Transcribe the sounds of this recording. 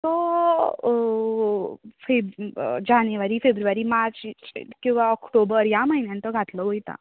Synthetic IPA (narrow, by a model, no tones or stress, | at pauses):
t̪ɔ | febd͡ʑanʋaɾiːfebɾuʋaɾiːmat͡skĩw̃ʋaɔkʈobəɾjaməɦinjãnt̪ɔɡʱat̪lɔɦojt̪a̰